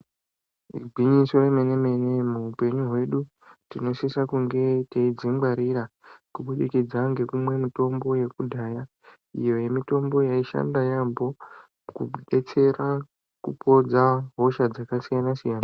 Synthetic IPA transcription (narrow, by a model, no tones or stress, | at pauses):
ḭbʱwiɲiso̞emene̞me̞nemuɦupe̞ɲuɦwe̞ɗu | tino̞sesakuŋɡe̞teid͡zimɡ͡baɾiɾakuɓuɗikid͡zaŋɡe̞kumwe̞mito̞mbo̞je̞kudʱaːja | ijo̞je̞mito̞mbo̞jaiʃa̰ndajambo̞ | kuɓe̞t͡se̞ɾa | kupʰo̞d͡zaɦo̞ʃad͡zakasijanasijaːna